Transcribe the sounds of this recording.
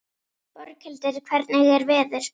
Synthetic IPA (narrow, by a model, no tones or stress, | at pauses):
pɔɾcʰɛlt̪ɪɾikʰvɛɾt̪nɪɣɛɾvɛːðʏɾ̥